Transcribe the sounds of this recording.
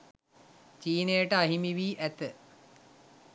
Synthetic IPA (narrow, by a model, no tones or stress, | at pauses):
t͡ʃiːnejəʈəaɦimiʋiːʔæt̪ə